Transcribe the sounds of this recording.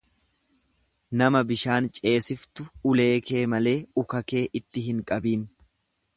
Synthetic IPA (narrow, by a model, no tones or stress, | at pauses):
nɐmɐbɪʃaːnt͡ʃʼe̞ːsɪft̪ʊʊle̞ːke̞ːmɐle̞ːʊkɐke̞ːʔɪt̪ːɪɦɪŋkʼɐbiːn